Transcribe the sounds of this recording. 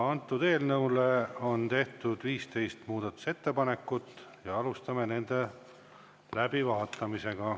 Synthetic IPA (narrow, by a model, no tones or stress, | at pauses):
ɑnt̪ːˑud̪e̞ːlnɤwleo̞nt̪e̞ht̪ud̪̥viːst̪e̞jst̪muːd̪̥ɑt̪ːˑu̥se̞t̪ːe̞pɑne̞kːˑut̪ːjɑɑlust̪ɑmene̞nd̪̥e̞ | læbivɑːt̪ːˑɑmise̞ɡ̥ɑ